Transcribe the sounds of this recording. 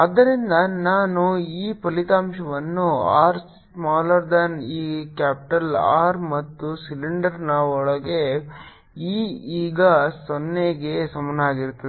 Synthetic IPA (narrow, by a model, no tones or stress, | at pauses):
ɐd̪ːɐɾind̪ɐnaːnuiːpɐlit̪aːmʃɐʋɐnːua̰ːɾs | smaːlɐɾd̪aniːkaːpʈɐla̰ːɾmɐt̪ːusiliɳɖɐɾnɐɔɭɐɡe̞ | iːiːɡɐsonːeɡesɐmɐnɐaːɡiɾut̪ːii